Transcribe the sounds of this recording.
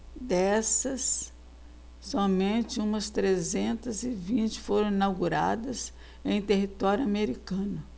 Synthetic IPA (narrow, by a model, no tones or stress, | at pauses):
d̪ɛsɐs | ɔmẽnt͡ʃɪũmɐst̪ɾezẽnt̪ɐzɪvĩnt͡ʃɪ̥foɾɐ̃inawɡuɾa̰d̪ɐs | ẽj̃t̪eɦit̪ɔɾjʊameɾikɐ̃nʊ